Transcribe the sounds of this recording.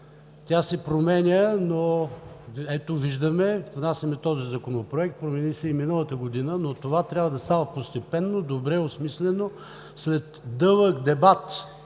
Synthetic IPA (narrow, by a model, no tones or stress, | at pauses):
t̪ʲasɛpɾomɛnʲəno | ɛt̪oviʒd̪əmɛvnasʲjɐmɛt̪ɔzizɐkonopɾoɛkt̪̚pɾomɛnisɛiminəlˠət̪əɡod̪inənot̪ovat̪ɾʲabvəd̪ɐst̪avəpost̪ɛpɛnːod̪obɾɛosmislɛno | slɛt̪d̪ɤlˠəkd̪ɛbat̪